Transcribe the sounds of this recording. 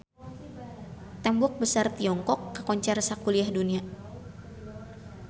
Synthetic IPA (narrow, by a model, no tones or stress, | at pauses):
t̪ɛmbɔk̚bəsart̪iɔŋkɔkːəkɔɲt͡ʃɛrsakuliahdunia